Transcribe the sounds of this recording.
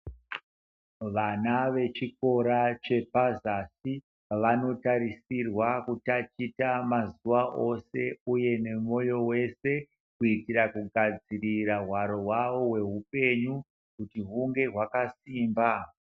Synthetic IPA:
ʋanaʋe̞t͡ʃiko̞ɾat͡ʃe̞pazasi | ʋano̞tarisirwakutat͡ʃitamazuʋaʔo̞se̞uje̞ne̞mo̞jo̞we̞se̞ | kuitirakuɡʱad͡ziriraɦwaɾo̞ɦwaʋo̞ɦwe̞ɦupe̞ɲu | kutiɦuŋɡe̞ɦwakasiːmba

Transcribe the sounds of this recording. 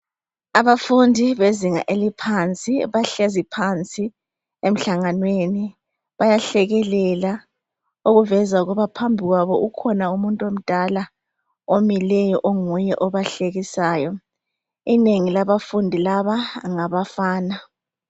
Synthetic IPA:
aβafundʱiβeziŋa̰ʔelipʰant͡sʼiβaɬɛzipʰant͡sʼi | em̩ɬaŋanweni | βajaɬɛɣɛlɛla | oɣuvɛzauɣɔβapʰambʱiɣwaβɔukʰɔnaumuntʼom̩d̥ʱala | omilɛjɔʔoŋujɛʔɔβaɬeɣisaːjɔ | ineŋilaβafundʱilaβaŋaβafaːna

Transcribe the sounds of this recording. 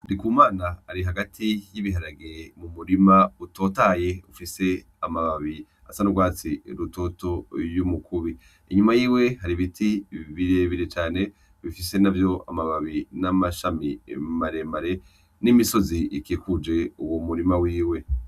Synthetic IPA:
ndikuːmaːnaːɾiɦaɡatʰijiβiɦaɾaɡemumuɾimauto̞ːtaje̞ufise̞ | amaβaβi | asanuɡwaːt͡siɾuto̞to̞jumukʰuβi | iɲumajiːwe̞ɦaɾiβitʰiβiɾeβiɾet͡ʃaːne̞ | βifise̞navjo̞a̰maβaβinamaʃamḭmaɾe̞maɾe̞ | nimiso̞ziikikud͡ʒe̞uwomuɾimawiːwe̞

